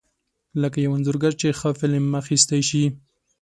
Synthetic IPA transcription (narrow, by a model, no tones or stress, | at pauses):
ləkajawanzʊɾɡaɾt͡ʃexəfɪlemaxist̪ajʃi